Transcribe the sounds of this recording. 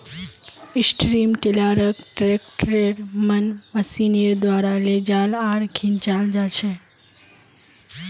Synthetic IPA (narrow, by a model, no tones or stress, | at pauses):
ɪsʈɾimʈilaɾəkʈɾek̚ʈɾeɾmənməsiniɾd̪ʋaɾaled͡ʒalaɽkʰint͡ʃald͡ʒat͡ʃʰe